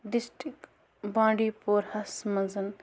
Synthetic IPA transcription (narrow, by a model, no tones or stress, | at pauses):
ɖisʈɾik | bãːɳɖiːpoɾhɐsmɐzɐn